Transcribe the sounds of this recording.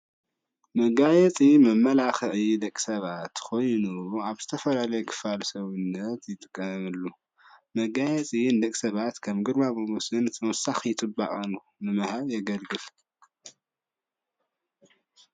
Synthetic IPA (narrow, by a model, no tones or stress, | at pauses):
mɐɡajɛt͡sʼimɐmːɐlaxɨʕid̪ɐkʼːi̥sɐβat̪kʰo̞jnuaβz̥ɨt̪ʰɐfɐlalɐjkʰɨ̥falsɐβɨnːɐt̪jɪt̪ʼɨkʼːɐmɨlːu | mɐɡajɛt͡sʼind̪ɐkʼisɐβat̪kʰɐmɡɨɾmamomusɨnt̪ʰɐwɔsaxjɪt̪ʼɨba̰ʔʼɐnu | nɨmɐhaβjɛɡɐlɡɨl